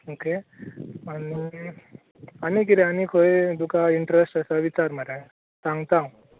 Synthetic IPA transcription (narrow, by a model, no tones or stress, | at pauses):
oke | ani | anikiɾeanikʰɦojd̪ukaiɳʈɾesʈəsaʋit͡ɕaɾməɾẽ | sãŋɡt̪ãũ